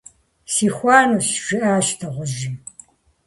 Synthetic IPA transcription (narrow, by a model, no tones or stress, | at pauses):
siːxʷɑːnuɕʒ̥ɪʔaːʃtʰɐʁʷʊʒɪ